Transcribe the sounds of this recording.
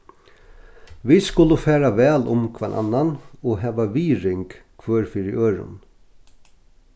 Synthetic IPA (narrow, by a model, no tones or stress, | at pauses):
ʋiskʊlʊfæːɾaʋɛːlʊmkʰva̰nʔa̰nːanɔɦɛːʋaʋiːɾɪŋkkʰʋøːɹfɪɾɪʔøːɹʊ̰n